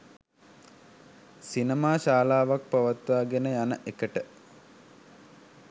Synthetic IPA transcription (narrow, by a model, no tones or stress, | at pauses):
sinəmaːʃaːlaːʋak̚paʋat̪ʋaːɡenəjanəʔekəʈə